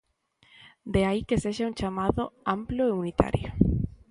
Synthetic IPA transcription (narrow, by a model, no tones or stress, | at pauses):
d̪eaikeseʃauŋt͡ʃamaðʊamploeunit̪a̰ɾjo̰